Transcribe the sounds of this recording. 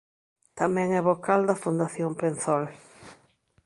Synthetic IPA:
t̪amɛ̃ŋɛβokald̪ɐfund̪aθjompenθɔl

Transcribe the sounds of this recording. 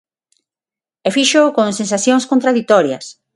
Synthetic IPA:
efiʃokoŋsẽnsaθjoŋskont̪ɾaðit̪ɔɾjɐ̰s

